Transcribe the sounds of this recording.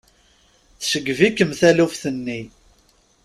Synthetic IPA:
θsəɡːvikːəmθælufθənːi

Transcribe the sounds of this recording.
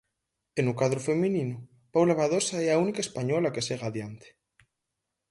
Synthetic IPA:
enukaðɾufemĩninu | pawlaβaðosaɛaunikaespaɲɔlakeseɣaðjant̪e̥

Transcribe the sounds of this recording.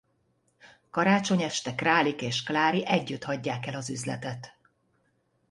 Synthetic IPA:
kɒɾaːt͡ʃo̞ɲɛʃt̪ɛkraːlikeːʃklaːɾiʔɛɟːyt̪hɒɟːaːkɛlɒzyzlɛ̰t̪ɛt̪

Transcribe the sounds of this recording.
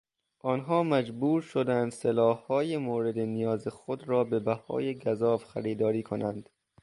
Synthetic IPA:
ʔɒːnɦɒːmæd͡ʒbuːɾʃod̪ænd̪selɒːhːɒːjemoːɾe̞d̪enijɒːzexod̪ɾɒːbe̞bæhɒ̰ːjeɡæzɒːfxæ̰ɾiːd̪ɒːɾiːkʰonænd̪̥

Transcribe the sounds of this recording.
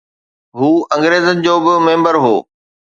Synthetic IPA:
ɦuːɐ̃ŋɡɾeːzənɪ̆d͡ʑoːbɪmẽːmbəɾɦoː

